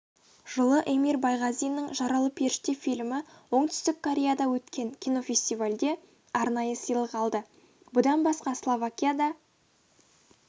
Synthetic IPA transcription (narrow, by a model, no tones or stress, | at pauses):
ʒ̥əlˠəʔemiɾbɑjʁɑzijnːəɴʒɑɾɑlˠəpʰe̞ɾʃt̪efilʲmɪwo̞ɴt̪ʏ̥st̪ɪkkʰːoɾʲejad̪ɑwɵt̪kʲʰe̞ŋkʲʰijno̞fʲe̞sʲt̪ivalʲd̪e̞ | ɑɾnɑjəsəjlˠəqɑlˠd̪ə | bʊd̪ɑnbɑsqɑslˠovakʲijad̪ɑ